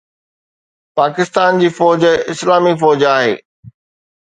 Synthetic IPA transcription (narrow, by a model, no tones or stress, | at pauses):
paːkɪst̪aːnd͡ʑiːfɔːd͡ʑɪslaːmifɔːd͡ʑaːɦḛː